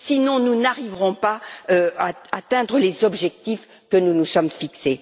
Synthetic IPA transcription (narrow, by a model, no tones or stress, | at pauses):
sinɔ̃nunaʁivʁɔ̃paøaat̪ɛ̃d̪ʁəlezɔbʒɛk̚t̪if | kənunusɔmfikse